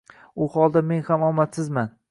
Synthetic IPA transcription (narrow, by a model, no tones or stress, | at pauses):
ʊhɒlˠd̪amenhamɒmat̪sɪzman